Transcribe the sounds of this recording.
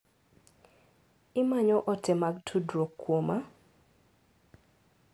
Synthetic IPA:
ɪmaɲɔʔɔtʰɛmaɡ̚tʰudɾokːwoma

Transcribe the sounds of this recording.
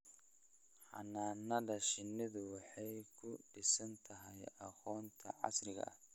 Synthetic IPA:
ħɑ̰naːnːɐdɐʃɪnːɪðʊwɑħɑjkʰʊɖɪsɐnt̪ʰɐɦɛjɐqɔːnt̪ʰɐʕɑ̰srɪɣɐ̰ɐ̰h

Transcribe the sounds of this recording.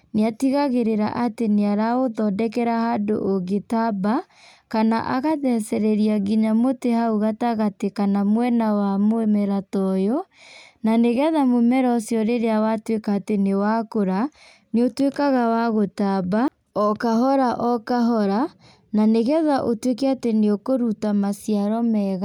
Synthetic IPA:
neatiɣaɣeɾeɾa̰ʔateneaɾaoðɔdɛkɛɾahado̰ʔoɡetaba | kana̰ʔa̰ɣaðɛsɛɾɛɾiaɡiɲamotehauɣataɣatekanamwɛnawamoɛmɛɾatɔjɔnaneɣɛðamomɛɾɔsjɔɾeɾeawatwekaːtenewakoɾa | neotwekaɣawaɣotaba | ɔkaɦɔɾaʔɔkaɦɔɾa | naneɣɛðaʔotwekɛateneokoɾutamasiaɾɔmɛɣa

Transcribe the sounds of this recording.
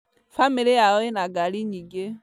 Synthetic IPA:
familɛjaɔɛnaɡaliɲiɡɛ

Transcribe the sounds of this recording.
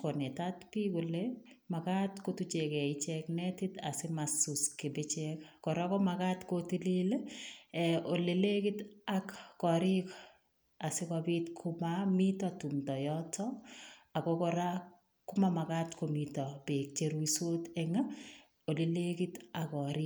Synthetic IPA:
kɔnɛtatpikʊle | makatkotut͡ʃekɛit͡ʃɛknɛtɪta̰sɪmasuskɪbɪt͡ʃɛkkɔɾakɔmakatkotilileɛolelekitakːɔɾɪk | asɪkabitkʰʊmamitɔtumtɔjɔtɔakɔkɔɾa | kʊmamakatkomitɔbek̚t͡ʃeɾuisotɛŋa | olelekitakɔɾɪ

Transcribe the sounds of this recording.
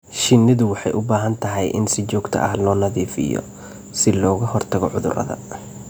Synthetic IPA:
ʃɪnːɪðʊwɑħɑjʔʊbaːɦɐnt̪ʰɐɦɛjʔɪnsɪt͡ʃɔːɡt̪ʰɐ̰ʔɐhlɔːnɐðiːfɪ̰jɔ̰ | sɪlɔːɣɐhɔrt̪ʰɐɣɔʕʊðʊ̰rʔɐ̰ðɐ̰

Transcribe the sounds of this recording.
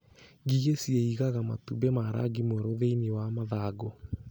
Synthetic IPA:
ɡiɣesjeiɣaɣama̰tubemaɾʔa̰ɡimeɾoðeiniwamaðaːɡo

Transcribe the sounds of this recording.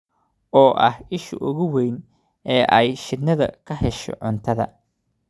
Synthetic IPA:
ʔɔːʔɐhɪʃʊ̰ʔʊɣʊwɛjn | ɛːʔɛjʃɪd̪nɐðɐ̰kʰɐɦɛʃɔ̰ʕʊnt̪ʰɐðɐ̰

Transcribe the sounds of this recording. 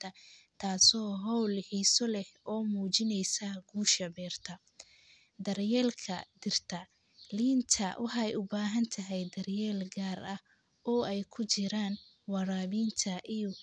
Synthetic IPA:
tʰɐt̪ʰaːsɔːɦɔwlħiːsɔlɛhɔːmuːt͡ʃɪnɛjsɐɡ̥uːʃɐbɛːrt̪ʰɐ | d̪ɐrjɛːlkʰɐd̪ɪrt̪ʰɐ | liːnt̪ʰɐ̰wʔɑħɑjʊbaːɦɐnt̪ʰɐɦɛjd̪ɐrjɛːlɡaːrɐh | ɔːɛjkʰʊt͡ʃɪɾaːn | wɑɾaːβiːnt̪ʰɐʔijɔ

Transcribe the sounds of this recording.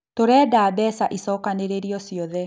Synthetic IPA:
toɾɛːdabɛsaʔisɔkaneɾeɾiɔsiɔðɛ

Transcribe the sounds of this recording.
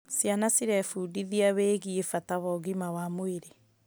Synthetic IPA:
sjanasiɾɛfuːdiðiaβeːɣiefataβɔɣimawamoeɾe

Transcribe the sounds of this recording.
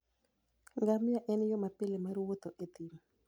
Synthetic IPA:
ŋɡamaʔɛnjɔmapɪlemarwot̪oʔet̪im

